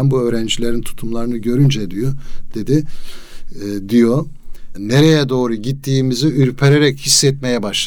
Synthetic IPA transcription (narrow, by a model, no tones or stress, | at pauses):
nbuø̞ːɾænd͡ʒilʲe̞ɾint̪ʰu̥t̪ʰumlˠaɾɯnɯɟø̞ɾynd͡ʒɛd̪ijod̪̥e̞d̪i | d̪ijo | ne̞ɾejɛd̪o̞ːɾuɟit̪ʰːiːmiziyɾpʰeɾeɾɛchisːɛt̪me̞jɛbaʃˠ